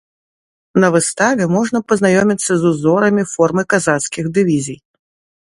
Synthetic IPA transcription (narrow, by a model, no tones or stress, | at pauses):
nɐvɨst̪avʲɛmɔʐnɐpɐznajɔmʲit̪sːɐzuzɔɾɐmʲifɔrmɨkazat̪skʲixd̪ɨvʲizʲij